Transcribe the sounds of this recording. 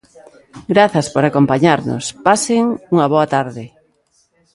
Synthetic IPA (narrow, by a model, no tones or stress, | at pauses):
ɡɾaθɐspoɾakompaɲaɾnʊ̰spaseŋuŋɐβɔɐt̪aɾðɪ